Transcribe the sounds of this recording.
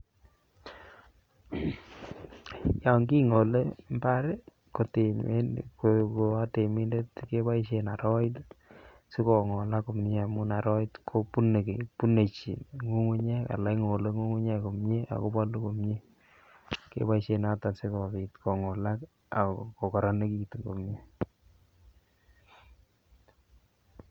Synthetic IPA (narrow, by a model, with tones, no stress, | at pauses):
ja˨ŋɡi˦ŋo˨le˦mba˦ɾe˦ | ko˨te˨e˦koko˨a˦te˨mi˦nde˦tke˦ba˦iʃe˨na˨ɾɔ˦ɪ˦t | sɪ˦kɔ˨ŋɔ˨la˦ko˨mɲe˦a˨mu˦na˨ɾɔ˦ɪ˦tkʰo˦pu˦ne˨kḛ˨pu˦ne˨t͡ʃḭ˨ŋu˦ŋu˦ɲe˦ka̰˨la˦iŋo˨le˦ŋu˦ŋu˦ɲe˦ko˨mɲe˦a̰˨ko˦ba˦lu˦ko˨mɲe˦ | kḛ˦ba˦iʃe˨nata˨nsɪ˦kɔ˨pi˨tkɔ˨ŋɔ˨la˦k | a̰˨ko˨kɔ˨ɾa˨ne˦ki˨tŋɡo˨mɲe˦